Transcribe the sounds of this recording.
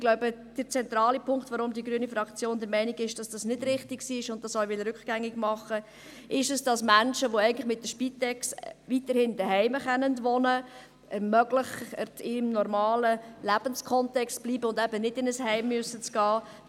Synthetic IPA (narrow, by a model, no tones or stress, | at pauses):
ɡ̥lɔʊbəd̥əɾt͡sɛnt̪ɾɑːlipʰʊŋktʋɔɾʊmd̪iəɡɾyənifɾɑkt͡sjoːnd̪əɾmɛɪnɪɡɪʃd̥ɑsd̥ɑsnɪdɾɪχtɪksiːɪʃʊnt̚ːɑsɔʊʋɪlɾʉkχɡ̥æŋːɪɡmɑχːə | ʔɪʃɛsd̥ɑsmænʃəʋoɛɪɡəntlɪχmɪt̚dəʃpit̪ɛksʋit̪əɾhɪndəɦɛɪməχɛnəndʋɔnə | əmœɡləχətɪmnɔɾmɑːləlæb̥ənskʰɔntɛkstb̥liːbəʊndɛbənɪdɪnəshɛɪmːyəsːət͡sɡ̥ɑː